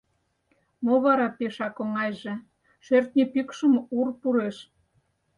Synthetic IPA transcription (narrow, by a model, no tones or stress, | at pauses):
moβɑɾɑpeʃɑkoŋɑjʒĕ | ʃørt̪nʲipikʃəmurpuɾeʃ